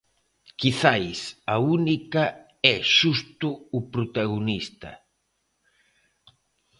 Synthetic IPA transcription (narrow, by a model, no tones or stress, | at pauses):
kiθajsaunikɐ | ɛʃust̪ʊːpɾot̪aɣonist̪ɐ̰